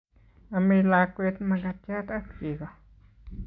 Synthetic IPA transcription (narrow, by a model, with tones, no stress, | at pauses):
a˧mi˧la˧kʷe˧t̪ma˧ɡa˧t̪ja˦t̪a˦t̪ki˧ɡo˧